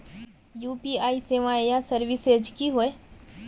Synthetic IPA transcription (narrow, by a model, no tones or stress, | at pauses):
juːpiaːiseːʋãejasəɾʋɪsed͡ʒkiɦoe